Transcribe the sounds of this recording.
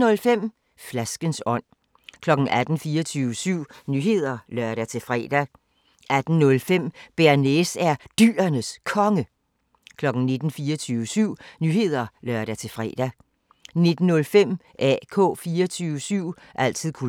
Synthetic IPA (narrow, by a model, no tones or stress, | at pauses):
nɔ̽lfem̰ | flæsɡ̥ənsɒ̽n̰ | kʰlɒ̽ɡ̥n̩ʔæd̥n̩fiːɐt͡sʰyːʋəsyʊ̰nyːɦe̝ð̞̰ˠɐlɶɐɾ̥æt͡sʰe̝fʁɛ̰d̥æ | ʔæd̥n̩nɔ̽lfem̰b̥eɐnesæɐd̥yːɐnəskʰɒ̽ŋə | kʰlɒ̽ɡ̥n̩ne̝d̥n̩fiːɐt͡sʰyːʋəsyʊ̰nyːhe̝ð̞̰ˠɐlɶɐ̰ɾæt͡sʰe̝fʁɛ̰d̥æ | ne̝d̥n̩ːɔ̽lfem̰ | ʔɛ̰ːkʰɔ̰̽ːfiːɐt͡sʰyːʊəsyʊ̰ | ʔæl̰t͡sʰið̰ˠkʰu